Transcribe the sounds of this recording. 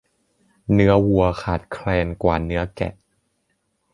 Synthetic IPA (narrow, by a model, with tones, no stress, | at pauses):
nɯ˦˥ɐwu˨˧˩ɐkʰaː˨˩t̪̚kʰlɛː˧nkwa̰ː˨˩nɯ˦˥ɐkɛ̰˨˩ʔ